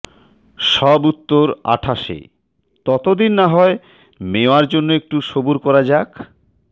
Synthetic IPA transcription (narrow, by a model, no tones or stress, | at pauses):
ʃɔbut̪ːoɾa̰ʈʰaʃḛ | t̪ɔt̪od̪inːaɦɔe | meoaɾd͡ʑonːoek̚ʈuʃobuɾkɔɾad͡ʑak